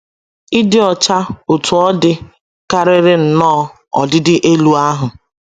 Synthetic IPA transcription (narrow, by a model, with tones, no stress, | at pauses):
i˦dɪ˦ɔ˨t͡ʃa˦o˨tu˨ɔ˦dɪ˦ | ka˦ɾɪ˦ɾɪ˦n̩˨nɔː˦˨ | ɔ̰˨dɪ˦dɪ˦ʔe˦lu˦a˦ɦʊ˨